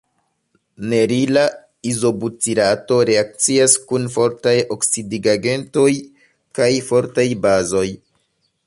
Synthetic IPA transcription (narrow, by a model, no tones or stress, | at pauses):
ne̞ɾila | izo̞but͡siɾato̞ɾe̞ak̚t͡siaskunfo̞ɾtajo̞ksidiɡaɡe̞nto̞j | kajfo̞ɾtajbazo̞j